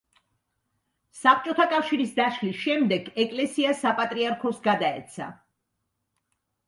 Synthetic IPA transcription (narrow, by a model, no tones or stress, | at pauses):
sap̚ʰt͡ʃʼɔt̪ʰakʼafʃiɾisd̪aʃlisʃɛmd̪ɛɡɛkʼlɛsiasapʼat̪ʼɾiaɾkʰɔsɡad̪aɛ̰t̪sʰa̰